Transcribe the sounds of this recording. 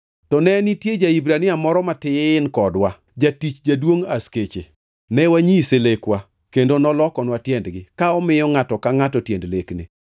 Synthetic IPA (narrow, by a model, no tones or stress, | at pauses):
tɔnɛnitjed͡ʒaibɾanɪamɔɾɔmatɪɪnkɔdwa | d͡ʒatit͡ʃd͡ʒadwoŋasket͡ʃḛ | nɛwaɲiselekwa | kendonɔlɔkɔnwatjɛndɡɪkaɔmɪjɔŋatɔkaŋatɔtjendleknḛ